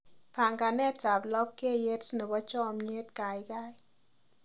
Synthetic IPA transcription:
pa˨ŋɡa˨nɛ˦ta˨blɔ˦p̚ke˦˨je˦tno˨bɔ˦t͡ʃɔ˦˨mɲe˦t̪ka˨jɡa˦j

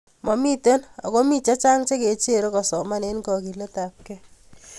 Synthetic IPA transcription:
mɔ˨mi˦te˦na̰˨ko˦mi˦t͡ʃa˦t͡ʃa˦ŋt͡ʃe˦ke˨t͡ʃe˦ɾo˦kɔ˨sɔ˨ma˦ne˦nkɔ˨ki˨le˦ta˨p̚kɛ˦

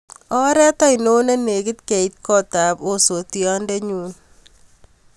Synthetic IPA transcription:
ɔ˦ɾɛ˦tɔ˦ino˦na˦ne˨kɪ˦t̪ke˨it̚kɔ˦ta˨po˦so˨tiɔ˦ndɛ˦ɲuː˦n

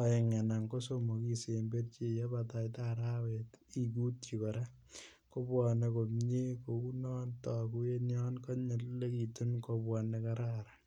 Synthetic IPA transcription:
a˨je˨ŋɛ˨na˨ŋko˦so˦mo˨ki˨se˨mbe˦tt͡ʃe˨jɛ˦pata˨jtaɾa˦weti˨ku˦t̚t͡ʃi˨kɔ˨ɾa˦ | ko˦pwɔ˨ne˧ko˨mɲe˦ko˨ku˦nɔ˦ntɔ˨ku˦je˦njɔ˦nkɔ˦ɲe˨tle˦ki˨tu˦nkopwɔ˨ne˦kaɾa˦ɾa˨

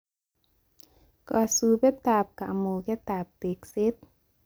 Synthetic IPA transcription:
ka˨subɛ˦t̪aː˨p̚ka˨ʔmuː˨kɛ˦t̪a˨p̚t̪e˨kse˦t̪̚

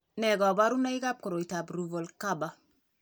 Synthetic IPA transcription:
nɛ˨ɡɔ˨ba˦ɾu˦na˦i˦ɡa˦p̚ko˨ɾo˨ita˨bɾu˨vo˨lkaba˨

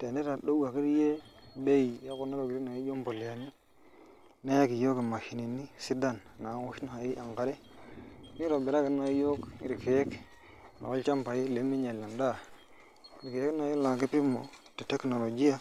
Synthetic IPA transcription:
te˨ne˦ɾa˨ɗo˦a˨ki˦ɾje˦be˦i˨ja˦ku˦na˦ɾo˨ɡi˨ɾi˦na˨i˦jo˦mpo˨li˨a˨ni˦ | na˦ja˦ki˨jo˦ki˨ma˨ʃi˨ni˨nːi˦si˦da˦˨nna˨˦wu˦ʃna˦a˨ji˦ʔa˨ŋka˨ɾe˦ | mi˦ɾo˨be˨ɾa˦ki˨ɾna˨˦jo˦ki˨ɾi˨ke˨je˦k | na̰˨o˦t͡ʃa˦mpa˨ji˦le˨˦mi˦ɲe˨lːa˨nda˦˨ | ɾi˨ke˨je˦kna˨˦ji˦la˨ki˦pi˦mo̰˨te˨te˦kno˨lo˨d͡ʒi˦ja˨

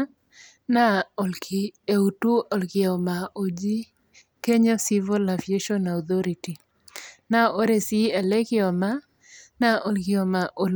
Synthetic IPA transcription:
na˦o˨lkʰi˨e˨u˨tu˦ɔ˨lkɪ˨ɔ˨ma˨ʔo˨d͡ʒi˦ | ke˦ɲɔ˦si˦vɔ˦la˨vi˨e˦ʃɔ˦na˨ut̪ɔ˦ɾiti˨ | na˦o˦ɾe˨si˦ɛ˨lɛ˦kɪɔ˨ma˦ | na˦ʔo˨lkɪ˨ɔ˨ma˨ʔo˨l

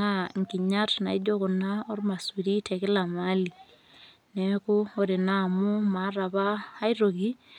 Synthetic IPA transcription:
a˦ŋki˨ɲa˦tna̰˨i˦d͡ʒɔ˦kʊ˨na˦ɔ˦rma˨swi˨ɾi˦tʰɛ˨kɪ˦la˨ma˦li˨ | nɛ˨kʊ˦ɔ˦ɾɪ˨na˦˨mʊ˦ma˨˦ɾa˨baː˦i˦ɾo˨ɡi˦

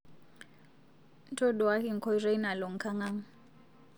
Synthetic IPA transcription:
n̩˦tʰɔ˦dɔ˨wa˦kɪ˨ŋ̩˨kʰɔ˦i˦re˦i˦na˨lɔ˨ŋ̩˨kʰa˦ŋa˦ŋ̩˦

